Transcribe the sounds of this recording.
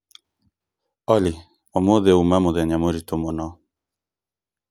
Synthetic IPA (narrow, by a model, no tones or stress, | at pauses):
ɔli | ɔmoðeumamoðɛɲamoɾit̪omonɔ